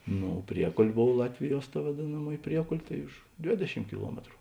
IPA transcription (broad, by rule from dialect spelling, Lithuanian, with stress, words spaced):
ˈnoː ˈpʲrʲiɛkoːlʲ ˈboːw ˈlˠɑːtʲʋʲɪˌjuɔs tɐ ʋɐˈdʲeːnɐˌmuɔj ˈpʲrʲiɛkoːlʲ tɐɪ ʊʃ ˈdʲʋʲeːdʲɛˌʃʲɪm kʲɪˈlˠuɔmʲɛtrʊ